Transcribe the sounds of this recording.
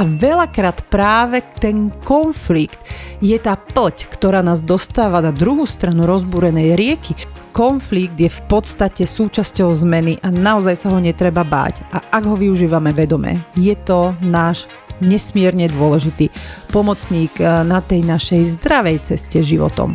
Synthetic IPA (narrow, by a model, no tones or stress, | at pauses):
ʔaʋɛʎakɾaːt̪pɾaːʋɛt̪ɛnkɔnflikt̪jɛt̪aːpl̩ckt̪ɔɾaːnaːzd̪ɔst̪aːʋanad̪ɾuɦuːst̪ɾanuɾɔzbuːɾɛnɛjɾɪɛkikɔnfliɡ̚d̪jɛfpɔt̪st̪acɛsuːt͡ʃascɔʊzmɛniʔanaɔzajsaɦɔɲɛt̪ɾɛbaba̰ːɟʔaʔaɡɦɔʋiuʒiːʋamɛʋɛd̪ɔmɛ̰jɛt̪ɔnaːʒ | ɲɛsmɪɛɾɲɛd̪ʊɔlɛʒit̪iːpɔmɔt͡sɲiːɡnat̪ɛjnaʃɛjzd̪ɾaʋɛjt͡sɛscɛʒiʋɔ̰t̪ɔ̰m